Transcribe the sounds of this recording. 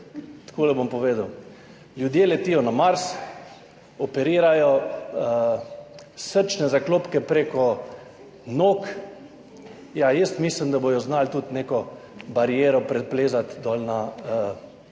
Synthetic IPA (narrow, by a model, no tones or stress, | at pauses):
t̪koːlɛbompɔʋeːd̪əw | lʲjud̪jelɛt̪iːjɔnamaɾs | ɔpɛɾiːɾajɔ | səɾt͡ʃnɛzakloːpkɛpɾeːkɔ | noːk | jajəst̪miːsləmd̪abojɔznalt̪ut̪neːkɔbaɾijeːɾɔpɾɛpleːzat̪d̪ɔlna